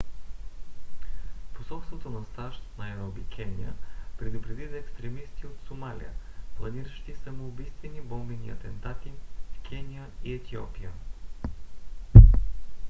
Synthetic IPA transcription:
posɔlˠst̪vot̪onɐst̪aʃt̪nɐɛɾɔbikʰʲɛnʲḭə̰pɾɛd̪ʊpɾɛd̪izəɛkst̪ɾɛmist̪iot̪somalʲḭjə̰plˠɐniɾəʃt̪isɐmoːbijst̪vɛnibɔmbɛnḭɐ̰t̪ɛnt̪at̪ifkʰɛnʲijəiɛt̪ʰiɔ̰pijə

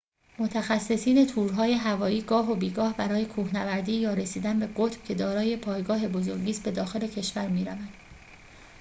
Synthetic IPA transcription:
mo̞t̪ʰæxæsːe̞siːne̞t̪ʰuːɾɦɒːje̞ɦævɒːiːɡɒːɦo̞biːɡɒːhbæɾɒːje̞kʰuːhnævæɾd̪iːjɒːɾe̞siːd̪ænbe̞ɢot̪ʰb̥cʰe̞d̪ɒːɾɒːje̞pʰɒːjɡɒːɦe̞bo̞zo̞ɾɟiːst̪be̞d̪ɒːxe̞le̞cʰe̞ʃvæɾmiːɾævænd̪̥

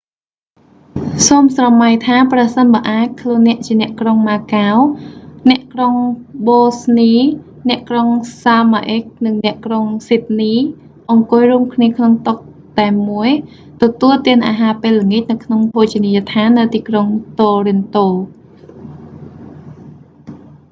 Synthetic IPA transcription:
soːmsrɑmːajt̪ʰaːprəsənɓaəʔaːc̚kʰluənːɛ̆əʔt͡ɕiənɛ̆əʔkroŋmaːkawnɛ̆əʔkroŋɓoːsniː | nɛ̆əʔkroŋsaːmaʔek̚nɨŋnɛ̆əʔkroŋsit̪̚niː | ʔɑŋkʊəjruəmkʰniəkʰnoŋt̪ʊk̚ | t̪aɛmːuəj | t̪ɔt̪uəlt̪iənʔaːɦaːpeːlːəŋic̚nɨwkʰnoŋpʰot͡ɕiniːjat̪ʰaːnːɨwt̪iːkroŋt̪oːrint̪oː

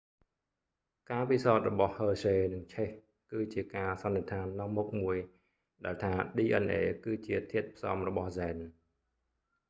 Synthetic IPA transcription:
kaːpisaɔt̪̚rɔɓɑhhəːseːnɨŋt͡ɕʰeh | kɨːt͡ɕiəkaːsɑnːeət̪ʰaːnːɑŋmuk̚muəj | ɗaɛlt̪ʰaːɗiːʔənʔeːkɨːt͡ɕiət̪ʰiət̪̚pʰsɑ̰ːmrɔɓɑhzɛːn

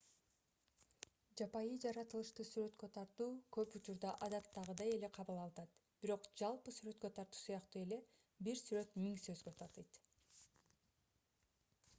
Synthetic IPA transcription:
d͡ʒɑpɑjɯd͡ʒɑɾɑt̪ɯlˠɯʃt̪ɯsyɾø̞t̪kø̞t̪ʰɑɾt̪uːkø̞put͡ʃuɾd̪ɑʔɑd̪ɑt̪ːɑʁɯd̪ɑje̞le̞qʰɑβɯlˠɑlˠɯt̪ɑt̪b̥iɾo̞qd͡ʒɑlˠpɯsyɾø̞t̪̚kø̞t̪ʰɑɾt̪u̥ːsɯjɑqt̪ue̞le̞ | biɾsyɾø̞t̪miŋsø̞zɡø̞t̪ʰɑɾt̪ɯjt̪

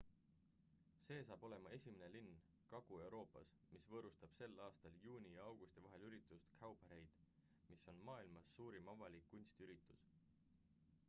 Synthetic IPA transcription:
se̞ːsɑːb̥o̞le̞mɑe̞sʲimene̞linː | kɑɡ̥ue̞wɾʔo̞ːpːɑ̰s | misvɤːɾust̪ɑb̥se̞lːɑːst̪ɑljuːnʲijɑɑwɡ̥ust̪ivɑɦe̞lyɾit̪ːˑust̪kʰɑwb̥ɑɾe̞jd̪̥ | miso̞nmɑːilmɑsːuːɾimɑvɑlikːunʲst̪iyɾit̪ːˑus

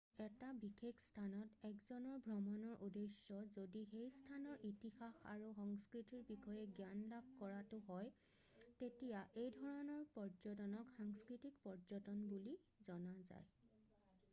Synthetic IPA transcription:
ɛtabixekstʰanɔtɛkzɔnɔɹbʱɹɔmɔnɔɹʔudesːɔzodixejstʰanɔɹʔitixaxa̰ɹuxɔŋskɹitiɹbixɔjɛɡjanlab̚kɔɹatʊɦɔj | tetijaʔejdʱɔɹɔnɔɹpɔɹzɔtɔnɔkxaŋskɹitikpɔɹzɔtɔnbuli | zɔnaza̰j

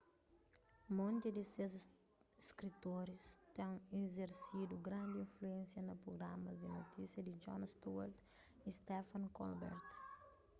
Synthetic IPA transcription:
mõnt̪id̪isez | skɾit̪oɾist̪ẽŋezeɾsid̪uɡɾãnd̪iĩnfluẽnsjɐnɐpɾoɡɾamɐzd̪inot̪isjɐd̪id͡ʒɔ̰nst̪uaɾt̪ | ist̪ɛfɐ̃nkɔ̰lbɛ̰ɾt̪

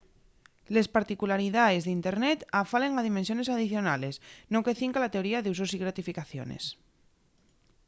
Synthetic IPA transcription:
lespaɾt̪ikulaɾiðaezðint̪eɾnɛt̪afaleŋaðimẽnsionezað̞iθjonalesnokeθiŋkalat̪eoɾiaðuzosiɣɾat̪ifikaθjo̰nḛs

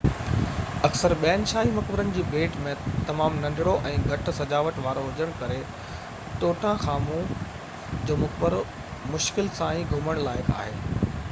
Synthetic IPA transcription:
ɐksəɾɓɛːənʃaːɦimɐkbɪɾənɪ̆d͡ʑiːbeːʈmẽt̪ɐmaːmnɐ̃ndʱɪɽoʔɛ̃ːɡʱɐʈ̆sɐd͡ʑaːʋəʈʋaːɾoɦʊd͡ʑəɽ̃kɐɾe | t̪oːʈʰãxaːmũ | d͡ʑoːmʊkbəɾ | mʊʃkɪlsãːĩɡʱʊməɽ̃laːɪka̰ːɦeː

